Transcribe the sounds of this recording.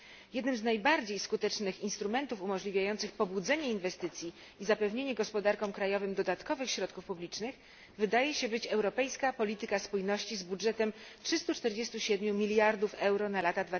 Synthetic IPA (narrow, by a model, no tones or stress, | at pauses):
jɛd̪nɘmznajbaɾd͡ʑejskut̪ɛt͡ʂnɘxinst̪ɾumɛnt̪ufumɔʐlʲivʲjajɔnt̪sɘxpɔbud̪zɛɲɛinvɛst̪ɘt̪sʲji | izapɛvɲeɲɛɡɔspɔd̪aɾkɔ̃mkɾajɔvɘmd̪ɔd̪at̪kɔvɘxɕɾɔt̪̚kufpublʲit͡ʂnɘx | vɘd̪ajɛɕɛbɘt͡ɕɛwɾɔpɛjskapɔlʲit̪ɘkaspujnɔɕt͡ɕizbudʐɛt̪ɛmtʂɘst̪ut͡ʂt̪ɛɾd͡ʑɛst̪uɕɛd̪mʲjumʲilʲjaɾd̪ufɛwɾɔnalat̪ad̪va